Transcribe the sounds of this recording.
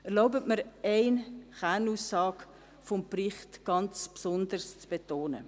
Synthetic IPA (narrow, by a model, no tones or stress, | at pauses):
ɛɾloʊbətməɾɛɪnχænuːsːɑːk | fɔmprɪχtɡ̥ɑnt͡spsɔndəɾst͡sb̥etoːnə̰